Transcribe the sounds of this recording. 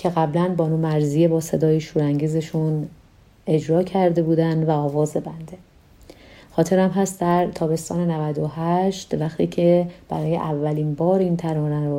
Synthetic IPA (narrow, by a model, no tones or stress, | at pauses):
cʰe̞ɣæblænbɒːnumæɾzijebɒːse̞d̪ɒːjiʃuːɾæŋɟiːze̞ʃun | e̞d͡ʒɾɒːcʰæɾd̪e̞buːd̪ænd̪væɒːvɒːzebænd̪e̞ | xɒːt̪ʰe̞ɾæmɦæst̪̚d̪æɾt̪ʰɒːbe̞st̪ɒ̰ːne̞nævæd̪oɦæʃt̪væxt̪ʰiːcʰe̞b̥æɾɒːjḛʔævːæliːnbɒːɾiːnt̪ʰæɾɒnæɾɔ